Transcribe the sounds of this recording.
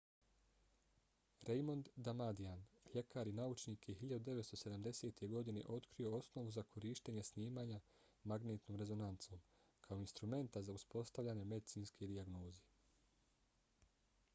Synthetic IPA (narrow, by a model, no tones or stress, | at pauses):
ɾejmo̞nd̪ːamad̪ianʎe̞kaːɾinaut͡ʃniːkjeɦiʎad̪ud̪e̞ʋest̪o̞se̞d̪amd̪e̞se̞ːt̪ʰe̞ɡo̞d̪ine̞̰ʔo̞t̪kɾio̞o̞sno̞ʋuzakʰo̞ɾiːʃt̪eɲe̞sniːmaːɲa | maɡneːt̪noːmɾe̞zo̞nant̪so̞ːm | kʰaoinst̪ɾume̞nt̪azauspo̞st̪aʋʎʲaːɲe̞me̞d̪it̪siːnsked̪iaɡno̞ːze